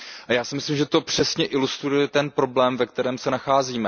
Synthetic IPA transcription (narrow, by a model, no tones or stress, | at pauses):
ʔajaːsɪmɪslimʒɛt̪o̞pr̝̥ɛsɲɛʔɪlust̪ɾujɛt̪ɛnpɾo̞blɛːmvɛkt̪ɛɾɛːmsɛnaxaːziːmɛ